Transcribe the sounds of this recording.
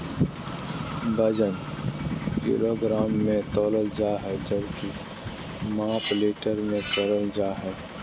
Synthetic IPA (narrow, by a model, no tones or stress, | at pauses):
bəd͡ʒən | kḭːɾoɡɾaːmːẽt̪ɔːləld͡ʒaːɦɛd͡ʒəbki | maːpleːʈəɾmẽt̪ɔːləld͡ʒaːɦɛː